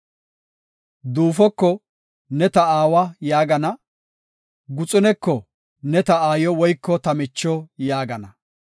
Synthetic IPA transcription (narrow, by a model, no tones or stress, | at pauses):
d̪uːfɔkːɔ | nɛt̪ɐaːwɐjaːɡɐnɐ | ɡʊt͡sʼʊnɛkːɔ | nɛt̪ɐaːjɔwɔjkːɔt̪ɐmɪt͡ʃːɔjaːɡɐnɐ